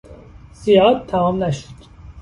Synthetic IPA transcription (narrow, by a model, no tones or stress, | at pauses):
z̥ijɒːd̪̚t̪ʰːæmɒːmnæʃo̥d̪̥